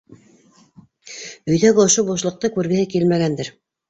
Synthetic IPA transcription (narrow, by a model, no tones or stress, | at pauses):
ɵ̆jðæɡɘŏʃobuʃlˠɤ̆q̚t̪ɤkʉɾɡɘ̆hɘkilmæɡænd̪ɘɾ